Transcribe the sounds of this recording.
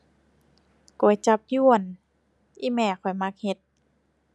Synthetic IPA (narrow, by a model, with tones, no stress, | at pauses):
ku˨˩˦jt͡ɕa˧˦p̚ju˧˩ən | ʔiː˧˥˨mɛː˧˩kʰɔ˨˩jma˧˥k̚he˧t̪̚